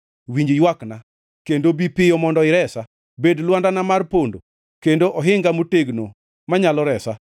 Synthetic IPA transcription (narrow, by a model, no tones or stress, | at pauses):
wiɲd͡ʒjwakna | kendobipɪjɔmɔndɔɪɾɛsa | bedlwandanamarpondo̰ | kendoʔɔɦɪŋɡamoteɡno | maɲalɔɾɛsa